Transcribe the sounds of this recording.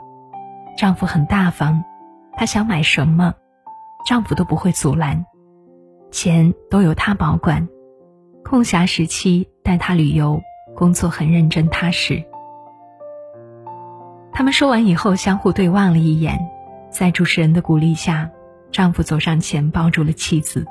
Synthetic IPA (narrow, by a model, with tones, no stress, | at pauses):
ʈ͡ʂɑ˥˩ŋfu˧˥xə˨˩nt̪a˥˩fɑ˥ŋ | t̪ʰa˥ɕjɑ˧˥ŋma˨˩ɪʂə˧˥nmə˧ | ʈ͡ʂɑ˥˩ŋfu˨˩t̪o˥ʊpu˧˥xwe˥˩ɪt͡su˨˩la˧˥n | t͡ɕʰjɛ˧˥nt̪o˥ʊjo˨˩ʊt̪ʰa˥pɑ˧˥ʊkwa˨˩˦n | kʰʊ˥˩ŋɕja˧˥ʂɻ̩˧˥t͡ɕʰi˥t̪a˥˩nt̪ʰa˥ly˨˩jo˧˥ʊkʊ˥ŋt͡swɔ˥˩xə˨˩nɻə˥˩nʈ͡ʂə˥ŋt̪ʰa˥ʂɻ̩˥˩ | t̪ʰa˥mə˨nʂwɔ˥wa˧˥ni˨˩xo˥˧ʊɕjɑ˥ŋxu˥˧t̪we˥˧ɪwɑ˥˩ŋlə˩i˥˩jɛ̰˨˩˦nt͡sa˥˩ɪʈ͡ʂu˨˩ʈ͡ʂʰɻ̩˧˥ɻə˧˥nd̪ə˧ku˨˩li˥˧ɕja˥˩ | ʈ͡ʂɑ˥˩ŋfu˧˥t͡so˨˩ʊʂɑ˥˩ŋt͡ɕʰjɛ˧˥npɑ˥ʊʈ͡ʂu˥˩lə˩t͡ɕʰi˥˩d͡zɹ̩˨˩